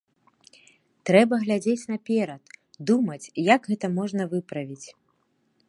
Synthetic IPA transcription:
t̪ɾɛbɐɣlʲad͡zʲet͡sʲnɐpʲɛɾɐt̪d̪umɐt͡sʲjaɡɣɛt̪ɐmɔʐn̪ɐvɨpɾɐvʲit͡sʲ

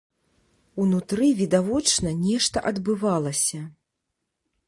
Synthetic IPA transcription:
unut̪ɾɨvʲid̪avɔt͡ʂnɐnʲɛʂt̪ɐʔɐd̪bɨvalˠɐsʲɐ

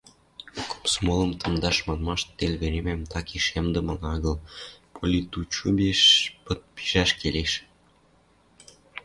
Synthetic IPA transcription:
kʰo̥psmolə̆mt̪ɤ̆nd̪ɑʃmɑnmɑʃt̪ːelʲβeɾemæmt̪ɑkiʃemd̪ə̆mɤ̆lɑɣɤ̆lpʰolʲit̪ut͡ɕubeʃpə̆t̪̚pi̥ʒ̥æʃkeleʃ

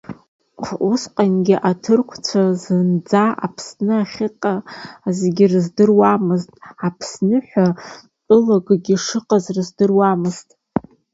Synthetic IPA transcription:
χʰʔusqʼanɡʲiʔatʰɨrkʷʰt͡sʷʰazɨnd͡zaʔa̰pʰsnɨaχʲɪqʼazeɡʲirɨzdɨrwamɨztʼapʰsnɨħʷᶣa | tʼɨlaɡɡʲiʂɨqʼazrɨzdɨrwamɨztʼ

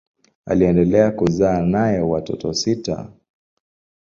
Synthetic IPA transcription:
a̰liɛndɛlɛakuzaːnajɛwatɔ̰tɔsita̰

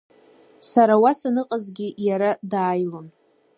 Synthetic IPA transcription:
saɾawasanɨqʼazɡʲijaɾadaːjlo̞n

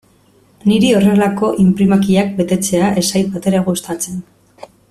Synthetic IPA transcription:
niɾio̞re̞lako̞ʔimpɾimakiak̚be̞t̪e̞t͡se̞aʔe̞sajt̪̚bat̪e̞ɾaɣust̪at͡se̞n

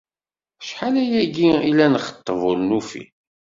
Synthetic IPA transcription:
ʃħalæjæɡiilænəχə̥t̪ˤːəvʊlnufḭ

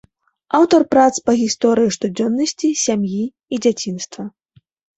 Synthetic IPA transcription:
awt̪ɐrpɾat̪spɐɣʲist̪ɔɾɨjiʂt̪ud͡zʲɔnːɐsʲt͡sʲisʲamjiː | d͡zʲat͡sʲinst̪vɐ

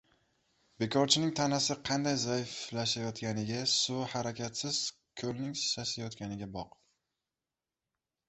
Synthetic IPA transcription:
be̞kʰɒɾt͡ʃʰɪnɪŋt̪ʰanasɪqʰɑnd̪ajzajflaʃajɒt̪kʲanɪɡʲasʊhaɾakʲʰat̪sɪz̥ | kʲʰɵlnɪŋsasajɒt̪kʲanɪɡʲabɒq

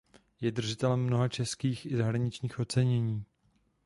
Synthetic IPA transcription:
jɛdr̩ʒɪt̪ɛlɛmːno̞ɦat͡ʃɛskiːxɪzaɦɾaɲɪt͡ʃɲiːxʔo̞t͡sɛɲɛɲiː

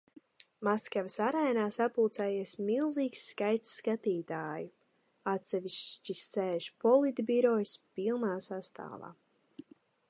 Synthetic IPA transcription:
maskavsaɾajnaːsapuːt̪sɛːjeɛsmilˠziːksːkajt̪sːkat̪iːt̪aːju | at̪sɛviʃt͡ʃisːɛːʒpɔlˠit̪biɾɔjspilˠnaːsast̪a̰ːva̰ː

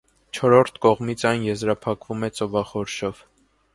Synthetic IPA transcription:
t͡ʃʰɔɾɔɾt̪ʰkɔʁmit͡sʰɑjnjɛzɾɑpʰɑkvumɛt͡sʼɔvɑχɔɾʃɔv̥

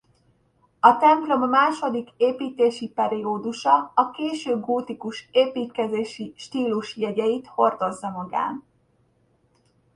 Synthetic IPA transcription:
ɒt̪ɛmplo̞mːaːʃo̞d̪ikeːpiːt̪eːʃipɛɾioːd̪uʃɒɒkeːʃøːɡuːt̪ikuʃeːpiːt̪kɛzeːʃiʃt̪iːluʃjɛɟɛjit̪ho̞rd̪o̞zːɒmɒɡa̰ːn

